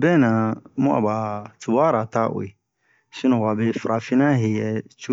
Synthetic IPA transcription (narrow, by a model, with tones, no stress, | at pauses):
bɛ̃˦˨nã˨mũ˦a̰˨ba˨tu˨ba˦ɾa˨ta˦ʔo̰˨je˨ | sĩ˦nɔ̃˨wa˨be˦fɾa˨fi˦nã˦ɦe˨jɛ˨t͡ʃu˦